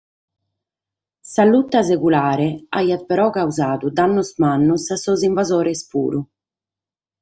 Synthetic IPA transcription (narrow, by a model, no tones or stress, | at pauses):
salut̪ːazekulaːɾɛa̰jat̪̚pɛɾɔkauzaːd̪ud̪anːusmanːusasːɔziɱvazɔːɾɛspṵːɾu